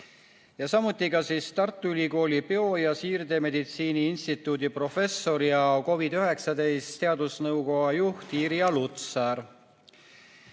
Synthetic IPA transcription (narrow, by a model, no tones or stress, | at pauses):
jɑsɑmut̪ːˑikɑsiːst̪ɑrt̪ːˑuylʲiko̞ːlʲipeo̞jɑsiːrd̪e̞me̞d̪it̪siːniinst̪it̪ːˑuːd̪ipro̞fe̞sːo̞ɾjɑko̞vid̪yɦe̞ksɑd̪e̞jstt̪e̞ɑd̪̥usnɤwko̞ɡɑjuht̪iɾiɑlut̪sɑɾ